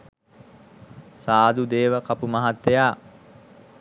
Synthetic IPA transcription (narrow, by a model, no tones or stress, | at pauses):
saːd̪ud̪eːʋəkapumaɦat̪ːejaː